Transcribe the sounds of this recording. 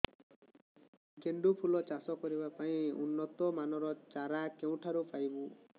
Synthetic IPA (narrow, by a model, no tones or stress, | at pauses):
ɡʱeɳɖupʰulɔt͡ʃasɔkɔɾibapaĩunːɔt̪ɔmanɔɾɔt͡ʃaɾakew̃ʈʰaɾupajbũ